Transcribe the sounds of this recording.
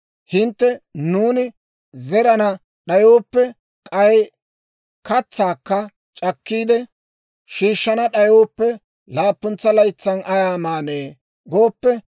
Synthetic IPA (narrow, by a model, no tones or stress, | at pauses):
hɪnt̪ːɛnuːnɪ | zɛɾɐnɐ | ɗɐjoːpːɛ | kʼɐj | kɐt͡sːaːkːɐ | t͡ʃʼɐkːiːd̪ɛ | ʃiːʃːɐnɐɗɐjoːpːɛ | laːpːʊnt͡sːɐlɐjt͡sːɐnʔɐjaːmaːneː | ɡoːpːɛ